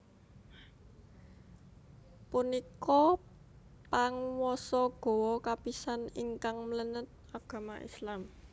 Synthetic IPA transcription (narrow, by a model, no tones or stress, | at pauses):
punikɔ | paŋwɔsɔɡ̥o̤wɔkapisaniŋkaŋmlənət̪̚aɡ̥a̤maʔḭslam